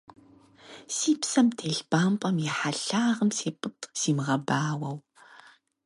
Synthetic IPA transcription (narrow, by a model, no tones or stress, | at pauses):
siːpsɐmtʰeːɬb̥aːmpʼɐmjɛħaɬaːʁəmseːpʼɨtʼsiːmʁɐbaːwɐw